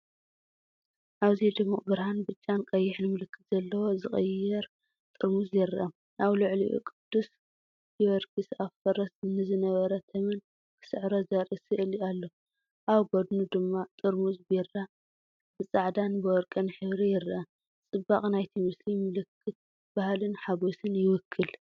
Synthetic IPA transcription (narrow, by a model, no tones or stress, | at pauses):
ʔaβzid̪ɨmːuʔʼbɨɾhanbɨt͡ʃʼːankʼɐjːɪħnɨmɨlɨkʰːɨt̪zɐlːɐwo̞zɨχʼɐjːɛɾ | t̪ʼɨɾmuzjɪɾʔɐm | ʔaβlʊʕliʔṵkʼɨd̪̥ːus | jiwɐɾkʰɨsafɐɾɐsnɨzɨnɐβɐɾɐt̪ʰɐmɨn | b̥ɨsɨʕɾozɐɾɨsɨʔɨlalːo | ʔawɡod̪nud̪ɨmːat̪ʼɨɾmuzbiɾa | bɨt͡sʼaʕd̪anbɨwɔɾkʼɐnħɨβɾijɪɾʔɐm | t͡sʼɨbːaχʼnajt̪ʰimɨslimɨlɨkʰːɨt̪̚ | b̥ahlɨnħaɡosɨnjɪwɔkʰːɨl